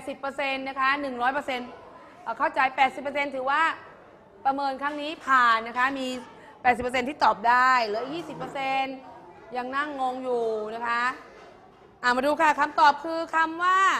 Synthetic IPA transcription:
pɛ˨˩t̪̚si˨˩pːɤː˧se˧nːa˦˥kʰa˦˥nɯ˨˩ŋɾɔː˦˥jp̬ɤː˧se˧n | ʔːkʰa˥˩wt͡ɕa˧jpɛː˨˩t̪̚si˨˩pːə˧se˧nt̪ʰɯː˩˦waː˥˩ | pɾa˧mɤː˧nkʰa˦˥ŋniː˦˥pʰaː˨˩nːa˦˥kʰa˦˥miː˧ | pɛː˨˩t̪si˨˩pːse˧nt̪ʰiː˥˩t̪ɔː˨˩p̚daː˥˩jlɯ˦˥jiː˥˩si˨˩pːɤ˧se˧n | ja˧ŋna˥˩ŋːɔː˧ŋjuː˨˩na˦˥kʰa˦˥ | ʔaː˨˩wmaː˧duː˧kʰa˥˩kʰa˧mt̪ɔː˨˩p̚kʰɯː˧kʰa˧mwaː˥˩

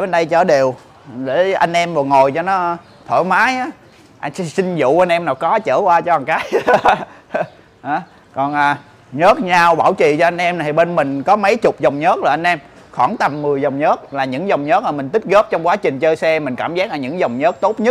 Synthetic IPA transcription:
ɓe˧nɗə˧jt͡ɕə̰ː˧˩ɗi˨˩əw | ɗe˧˩ʔa˧jŋ̟ʔɛ˧mɔ˨˩ŋo˨˩jt͡ɕɔ˧nɔ˨˦˧ | t̪ʰo̰˧˩jmaː˨˦jʔaː˨˦ | ʔa˧jŋ˧sï˧ŋzṵ˧˨ʔa˧jn̟ʔɛ˧mnaː˨˩wkɔ˨˦t͡ɕəː˧˩kwaː˧t͡ɕɔ˧ɓa˨˩ŋkaː˨˦j | ʔaː˨˦ | kɔ˨˩nʔaː˨˩ | ɲəː˦˥t̚ɲaː˧wɓaː˧˩wt͡ɕḭ˧˨t͡ɕɔ˧ʔa˧jŋ̟ʔɛ˧m˨˩t̪ʰi˨˩ɓe˧nmï˨˩ŋ̟kɔ˨˦mə˨˦jt͡ɕʊ˨˩k͡p̚zə˨˩wŋ͡mɲə˦˥t̚zɔ˨˩ʔa˧n̟ʔɛ˧m | xɔ˧˩nt̪ə˨˩mːɨ˨˩əjzə˨˩wŋ͡mɲəː˦˥t̚laː˨˩ɲɨ̰˧˥ŋzə˨˩wŋ͡mɲə˦˥t̚maː˨˩mï˨˩ŋ̟t̪i˦˥k̚ɣə˦˥p̚t͡ɕɔ˧wŋ͡mkwaː˨˦t͡ɕï˨˩ŋ̟t͡ɕəː˧jsɛ˧mï˨˩ŋ̟ka̰ː˧˩mzaː˦˥laː˨˩ɲɨ̰˧˥ŋzə˨˩wŋ͡mɲəː˦˥t̚t̪o˦˥t̚ɲ˦˥t̚

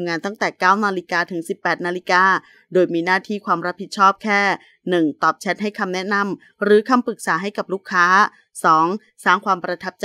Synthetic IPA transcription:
mŋaː˧nt̪a˥˩ŋt̪ɛː˨˩kaː˥˩wnaː˧li˦˧˥kaː˧t̪ʰɯ˩˦ŋsi˨˩pːɛː˨˩t̪̚naː˧li˦˧kaː˧ | doː˧jmiː˧naː˥˩t̪ʰiː˥˩kʰwaː˧mɾa˦˥pʰːi˨˩t̪̚t͡ɕʰɔː˥˩p̚kʰɛː˥˩ | nɯ˨˩ŋt̪ɔː˨˩p̚t͡ɕʰɛ˦˥t̪̚ha˥˩jkʰa˧mnɛ˦˥na˧m | ɾɯː˩˦kʰa˧mpɯ˨˩k̚saː˩˦ɦa˥˩jka˨˩p̚luː˦˥˩kʰːaː˦˥ | sɔː˩˦ŋ | saː˥˩ŋkʰwaː˧mpɾa˧t̪ʰa˦˥p̚t͡ɕa

